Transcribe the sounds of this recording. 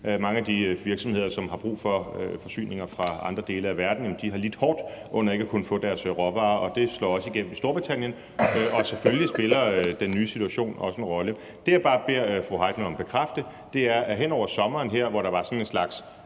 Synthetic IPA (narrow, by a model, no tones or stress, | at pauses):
mɑ̈ŋəæd̥iʋiɐɡ̥sɒ̽me̝ð̞̰ˠɐsɒ̽mhɑ̈b̥ʁṵːfɒ̽øfɒ̽sy̰ːne̝ŋɐfʁɑ̈ɑ̈nd̥ʁɐd̥e̝ːləæʋæɐd̥n̩jemnd̥iɦɑ̈lid̥hɒːd̥ʔɔ̽n̰ɐe̝ɡ̥ækʰunəfɔ̰̽ːd̥æɐsʁɒʋɑ̈ːɒ̽d̥e̝slɒ̰ːɒ̽səiɡ̥em̰m̩isd̥o̝ɐb̥ʁit͡sʰæn̰jən | ɒ̽seføljisb̥e̝lɐd̥enːyːsi̥t͡sʰuæɕo̝̰ːnɒ̽səenʁɒ̽lə | d̥e̝jäb̥ɑ̈ːb̥e̝ɐ̰fʁoɦɑ̈ɪd̥ʰn̩ɒ̽mb̥e̝kʰʁafd̥ə | d̥e̝æɐɦenɒ̰ʊ̰ɐsɒ̽mɐːnɦeɐ̰ʋɒɾ̥ɑ̈ʋɑ̈sɒ̽nenslɑ̈ɡ̥s